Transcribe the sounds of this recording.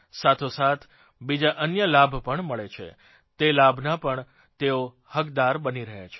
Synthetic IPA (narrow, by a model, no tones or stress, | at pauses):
sat̪ʰosat̪ʰ | bid͡ʒaʔənjəlabʱpəɳməɭet͡ʃʰḛ | t̪elabʱnapəɳ | t̪eo | həkd̪aɾbəniɾəɦḛt͡ʃʰe̥